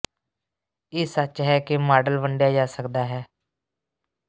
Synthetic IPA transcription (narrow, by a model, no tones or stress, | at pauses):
eːsət͡ʃɦɛːkɪmaːɖəlʋəɳɖjaːd͡ʒaːsəkd̪aːɦɛː